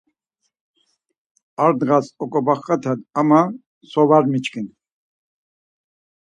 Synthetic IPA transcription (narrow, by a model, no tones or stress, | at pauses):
aɾd̪ʁasɔkʼɔbaχːat̪ʰad̪ama | sɔvaɾmit͡ʃkin